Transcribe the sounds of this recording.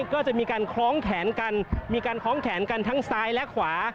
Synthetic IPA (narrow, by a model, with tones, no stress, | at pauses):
kɔː˥˩t͡ɕa˨˩ʔmiː˧kaː˧nkʰlɔː˦˥ŋkʰɛː˩˦nka˧nmiː˧kaː˧nkʰɔː˦˥ŋkʰɛː˩˦nka˧nt̪ʰa˦˥ŋsaː˧jlɛ˦˥kʰwaː˩˦